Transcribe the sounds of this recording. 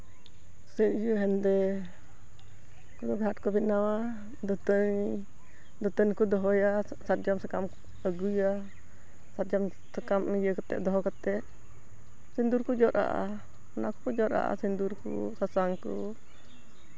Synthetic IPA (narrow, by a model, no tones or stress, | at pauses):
səɲ̚d͡ʒuɦɛnd̪ɛ | kɔd̪ɔɡʱaʈkɔbinawa | d̪ɔt̪əɲ | d̪ɔt̪əɲkud̪ɔɦɔja | sat̚d͡ʒamsɛkam | əɡuja | sat̪̚d͡ʒam | sɛkamijəkat̪ɛ̰ʔd̪ɔɦɔkat̪ɛʔ | sind̪uɾkud͡ʒɔʔʔa̰ʔa̰ | ɔnakɔkɔd͡ʒɔɾa̰ʔa̰sind̪uɾkṵsasaŋkɔ̰